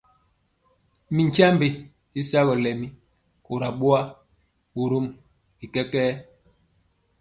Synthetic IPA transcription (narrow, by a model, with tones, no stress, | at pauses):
mi˨ŋ˨kja˦mbe˨ | i˦sa˦ɣɔ˨lɛ˨mi˦ | ko˨ɾa˨ɓu˦a˦ | ɓu˨ɾo˦m | i˨kɛ˦kɛː˦